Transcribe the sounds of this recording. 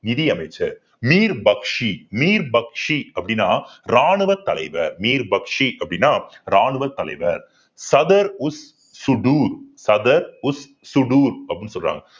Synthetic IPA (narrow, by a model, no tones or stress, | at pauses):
nɪðijɐmɐɪt͡ʃːɐ | miːɾbɐkʂimiːɾbɐkʂiɐpːɐɽɪnːaːɾaːɳɯʋɐɾt̪ɐlɐ̰ɪʋɐ̰ɾmiːɾbɐkʂiʔɐpːɐɽɪnːaːɾaːɳɯʋɐɾt̪ːɐlɐ̰ɪʋɐ̰ɾ | sɐðɐɾʊsː | ʊɖuːɾsɐðɐɾʊs | sʊɖuːɾɐpːɽnːɯsɔlɾa̰ːŋɡɐ